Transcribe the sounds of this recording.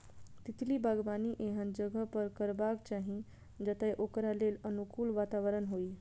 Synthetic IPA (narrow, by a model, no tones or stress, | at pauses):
t̪it̪ʰlibʱaɡbaniʔeɦənd͡ʒəɡəpəɾkəɾbakt͡ʃaɦĩ | d͡ʒət̪ɛʔokɾalelənukuːlʋat̪aʋəɾənɦoi